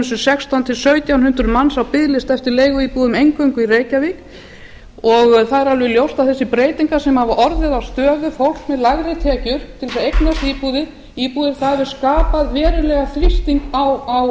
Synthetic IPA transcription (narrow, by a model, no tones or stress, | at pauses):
sʏsɛkst̪ʰawnt̪ʰɪlsœɥt̪jawnhʏnt̪ɾʏmansawpɪðlɪst̪ɛft̪ɪɾleːjɣʏiːpuðʏmejŋkœɥŋkʏiɾeːjcavik | ɔɣθaðɛɾalvɪljowst̪awθɛsːɪpɾeːjt̪iŋkasɛmhavaʔɔɾðɪðawst̪œːvʏfowl̥kmɛðlaɣɾɪt̪ʰɪacʏɾp̪t̪ʰːɪlsaðejknast̪iːpuðɪ | iːpuðɪɾ̥θaðvɪɾ̥skaːpaðvɛːɾʏlɛɣaθɾist̪iŋkawaw